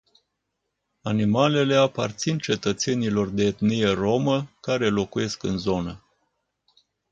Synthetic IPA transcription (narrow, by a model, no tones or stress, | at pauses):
animale̞le̞apart̪sint͡ʃe̞t̪ət̪se̞nilo̞rd̪e̞ːt̪nije̞ro̞məkaɾe̞lo̞kuje̞skɨnzo̞nə